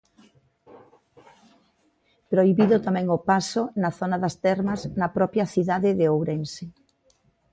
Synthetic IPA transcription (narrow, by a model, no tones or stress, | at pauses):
pɾoiβiðʊt̪amɛ̃ŋopasonɐθonɐðɐst̪ɛɾmɐznɐpɾɔpjɐθiðaðɪðeowɾense